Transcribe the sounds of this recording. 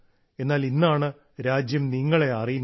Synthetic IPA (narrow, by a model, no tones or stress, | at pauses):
e̞nːaːlinːaːɳɨ | ɾaːd͡ʑjɐmniŋːɐɭe̞ɐrijunː